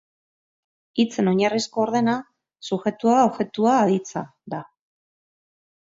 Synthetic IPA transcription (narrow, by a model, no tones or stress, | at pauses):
it͡se̞no̞ɲarisko̞ːɾðe̞na | suxe̞t̪uaoβʝe̞t̪uaːðit͡sa̰ða